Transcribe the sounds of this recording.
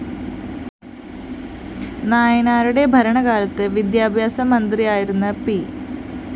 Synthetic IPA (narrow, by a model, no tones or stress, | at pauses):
naːjɐnaːɾuɽe̞bʱɐɾɐɳɐɣaːlɐt̪ːɨʋid̪jaːbʱjaːsɐmɐnd̪rijaːjiɾunːɐpi